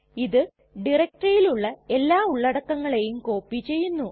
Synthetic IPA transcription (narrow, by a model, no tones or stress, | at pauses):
iðɨ | ɖirɐk̚ʈɐjiluɭːɐe̞lːaːuɭːɐɽɐkːɐŋːɐɭe̞jumko̞ːpːit͡ɕe̞jːunːu